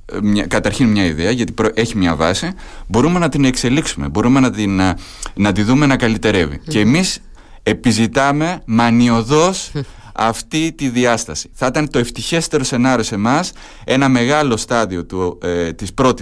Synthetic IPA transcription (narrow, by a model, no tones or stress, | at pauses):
mɲɐkɐt̪ɐɾçinmɲɐiðeɐʝɐt̪i̥pɾoʔe̞çimɲɐvɐ̰sibo̞ɾume̞nɐt̪ine̞kse̞liksume̞̰bo̞ɾume̞nɐn | nɐt̪iðume̞nɐkɐlit̪e̞ɾe̞vḭce̞ːmis | epizit̪ɐme̞mɐnio̞ðo̞s | ɐ̰ft̪it̪iðiɐst̪ɐsi̥θɐit̪ɐnet̪o̞e̞ft̪içe̞st̪e̞ɾo̞se̞nɐɾio̞se̞mɐs | e̞nɐme̞ɣɐlo̞st̪ɐðio̞t̪ut̪ispɾo̞t̪i